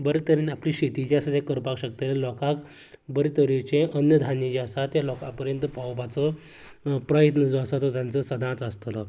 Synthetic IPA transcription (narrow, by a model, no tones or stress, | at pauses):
bəɾet̪əɾinapliːɕet̪id͡ʑeasat̪jeakəɾpakɕək̚t̪elelɔkak | bəɾet̪əɾit͡ɕẽʔənjəd̪ʱanĩt͡ɕeasat̪jalɔkapəɾjənt̪əpawpat͡sə | pɾəjət̪nəd͡zasat̪ot̪jãnt͡səsəd̪ʱãt͡səst̪ələ